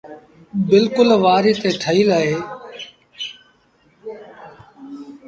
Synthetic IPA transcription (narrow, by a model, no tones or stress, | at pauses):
bɪlkʊlʋaːɾiːt̪eːʈʰəiːlaɦeː